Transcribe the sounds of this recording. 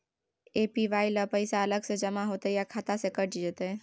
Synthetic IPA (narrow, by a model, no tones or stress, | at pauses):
eːpiʋaːiləpəɪsaələɡsed͡ʒəmaɦoːt̪ejakʰat̪asekəɾd͡ʒid͡ʒət̪e